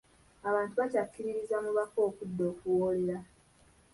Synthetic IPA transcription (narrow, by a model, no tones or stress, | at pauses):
aβaːntuβacakːiɾiɾizamuβako̞ːkudːo̞ːkuwoːleɾa